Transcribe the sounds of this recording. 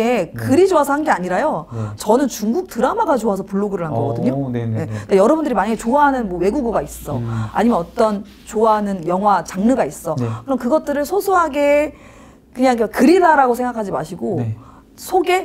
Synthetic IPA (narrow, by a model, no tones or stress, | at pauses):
ekɯɾid͡ʑoasʰʌhanɡeaɲiɾajot͡ɕʌnɯnt͡ɕuŋɡuk̚tɯɾamaɡat͡ɕoas̬ʰʌpuɭːoɡɯɾɯɭhanɡʌɡʌdɯɲoje̞kajʌɾʌbundɯɾimaɲaɡet͡ɕoaɦanɯnmwʌwe̞ɡuɡuɡais͈ʌa̰ɲimʌnʌt͈ʌn | t͡ɕoaɦanɯnjʌŋɦwat͡ɕaŋnɯɡais͈ʌkɯɾʌmkɯɡʌt̚t͈ɯɾɯɭsʰosʰoɦaɡe̞ | kɯɲaŋikakɯɾiɾaɾaɡosʰeŋɡakʰad͡ʑima̰ɕʰiɡo | sʰoɡe̞